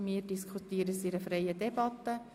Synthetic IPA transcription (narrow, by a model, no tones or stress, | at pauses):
miːəɾdiskʰutiːəɾəsiɾəfɾeɪədɛbɑt̪ːə